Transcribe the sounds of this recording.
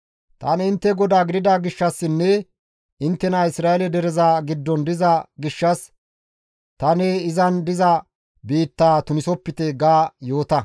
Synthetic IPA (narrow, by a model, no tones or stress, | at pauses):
t̪ɐ̰ːnɛɪnt̪ːɛɡɔd̪aːɡɪd̪ɪd̪aːɡɪʃːɐsːɪnːɛ | ɪnt̪ːɛnaɪsɾaːɛlɛd̪ɛɾɛzaːɡɪd̪ːɔnd̪ɪzɐɡɪʃːɐs | t̪ɐneɪzɐnd̪ɪzɐ | biːt̪ːaːt̪ʊnɪsɔpːɪt̪ɛɡaːjo̞ːt̪ɐ